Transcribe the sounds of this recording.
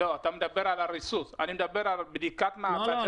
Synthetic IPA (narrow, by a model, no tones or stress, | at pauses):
ɔtamdabɛɾalaɾisusa̰nimdabɛɾabidikat̪nata